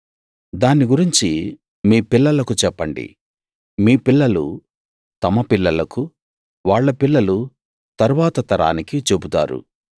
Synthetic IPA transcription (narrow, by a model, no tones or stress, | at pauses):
d̪aːnːiɡuɾiɲt͡ʃi | miːpilːɐlɐkut͡ʃɛpːɐɳɖḭ | miːpilːɐlṵ | t̪ɐmɐpilːɐlɐku | ʋaːɭːɐpilːɐlu | t̪ɐɾuʋaːt̪ɐt̪ɐɾa̰ːnikit͡ʃe̞but̪a̰ːɾṵ